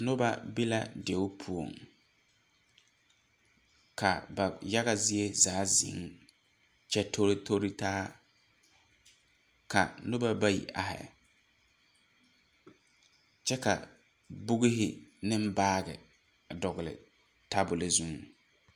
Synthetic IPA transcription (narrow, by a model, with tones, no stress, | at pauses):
nʊ˦ba˦bɪ˦la̰˦de˨ʊ˦pʰu˦o˨ŋ | ka̰˨ba˨ja˦ɣa˦˨zɪ˦e˦zaː˨˦zɪ̰˨˦ŋ | t͡ʃɛ˦tʰo˦ɾtʰo˦ɾi˦taː˦ | ka˨nʊ˦ba˦ba˦jḭ˨ʔa̰˨hɛ̰˨ | t͡ʃɛ˦ka˨ | bʊ˦ɣɪ˦ɦɪ˦nɪ˦m̩˦baː˦ɣɪ̰˨ | dɔ˨ɣɪ˨lɪ̰˨ | ta˦bʊ˨lɪ˨zu˦ŋ